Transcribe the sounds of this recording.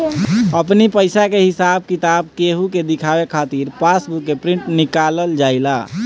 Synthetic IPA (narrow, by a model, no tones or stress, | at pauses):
əpnipəɪsakeɦɪsaːb̚kit̪aːb̚keɦuked̪ɪkʰawekʰaːt̪iːɾpasbukːepɾɪ̃ɳʈnɪkaləld͡ʒaːɪla